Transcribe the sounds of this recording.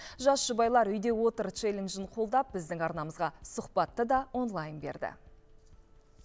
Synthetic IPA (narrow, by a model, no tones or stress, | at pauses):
ʒɑsʒ̥ʊbɑjlˠɑɾʏjd̪e̞wo̞t̪əɾt͡ʃelʲenʒənqʰo̞lˠd̪ɑp̚bɪzd̪ɪŋɑɾnɑməzʁɑsʊqpɑt̪ːəd̪ɑwo̞nlˠɑjnbe̞̰ɾd̪ɪ̰